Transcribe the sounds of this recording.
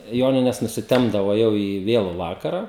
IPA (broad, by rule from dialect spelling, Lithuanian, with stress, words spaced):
ˈjoːnʲɪnʲɛs nʊsʲɪˈtʲɛmbdɐʋoː ˈjɛʊ iː ˈʋʲeːlˠʊ ˈʋɑːkɐrɐ